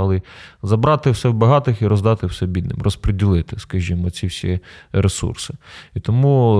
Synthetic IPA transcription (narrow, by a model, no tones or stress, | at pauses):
ɑlˠɪzɐbɾɑt̪ɪwsɛwbɐɦɑt̪ɪxiɾɔzd̪ɑt̪ɪwsɛbʲid̪nɪ̰mrɔspɾedʲilˠɪt̪ɪskɐʒʲimɔt͡sʲiwsʲḭɾesṵrsɪ̥it̪ɔmu